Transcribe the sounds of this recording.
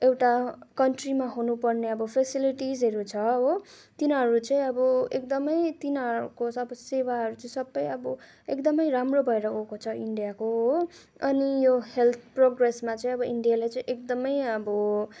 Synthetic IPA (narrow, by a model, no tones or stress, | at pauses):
ewʈakʌnʈrimaɦunupʌrneʌbʌpʰesiliʈizɦʌɾut͡sʰʌɦot̪inɦʌɾut͡sʌĩʌbʌek̚d̪ʌmʌjt̪inʌɾukoʌbʌsewaɦʌɾut͡sʌĩsʌbːʌjʌbʌ | ekd̪ʌmʌjramrobʱʌeɾʌɦokot͡sʰʌiɳɖijakoɦo | ʌnijohelt̪ʰproɡresmat͡sʌĩʌbʌiɳɖijalajt͡saĩʔek̚d̪ʌmʌjʌbʌ